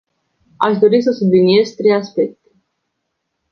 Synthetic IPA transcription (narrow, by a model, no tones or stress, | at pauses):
a̰ʃd̪o̞ɾis̬əsublinie̞zt̪ɾejaspe̞k̚t̪e̥